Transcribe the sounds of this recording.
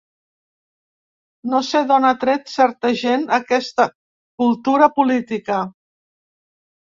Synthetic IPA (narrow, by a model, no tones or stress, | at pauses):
noseðonət̪ɾet̪sɛɾt̪əʒenəkɛst̪ə | kulˠt̪uɾəpulit̪ikə